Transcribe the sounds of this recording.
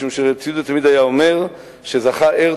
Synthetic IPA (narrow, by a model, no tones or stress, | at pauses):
umʃeʁet͡sijud̪et̪amid̪ajaome̞ʁ | ʃezaχaʔeʁ